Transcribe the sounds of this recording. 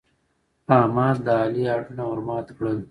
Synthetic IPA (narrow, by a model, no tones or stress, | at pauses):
ɑːmɑːd̪d̪əɑːliɑːʈunawʊɾmɑːt̪kɽəl